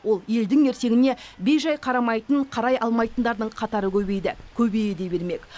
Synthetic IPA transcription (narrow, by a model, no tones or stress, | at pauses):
wo̞lˠje̞ld̪ɪŋe̞ɾse̞ɡʲɪne̞be̞jʒɑjqʰɑɾɑmɑjt̪əɴqʰɑɾɑjʔɑlˠmɑjt̪ənd̪ɑɾd̪əɴqʰɑt̪ɑɾəkʲʰɵbe̞jd̪ɪkʲʰɵbe̞jd̪e̞be̞ɾme̞kʲ